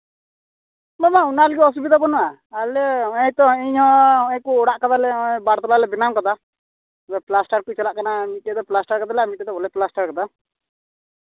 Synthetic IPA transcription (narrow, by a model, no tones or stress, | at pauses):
mɔmaunaliɡɔɔs̬ubid̪abɔnɔa | alɛɔɛt̪ɔɛɲɦɔ̃ɔɛ̃kuɔɽaʔkad̪alɛ̃baɽt̪ɔlalɛbinamkad̪a | bɛplasʈaɾkujt͡ʃalaʔkanamitɛd̪ɔplasʈaɾkad̪alɛamitɛt̪ɔɔlɛplasʈaɾkad̪a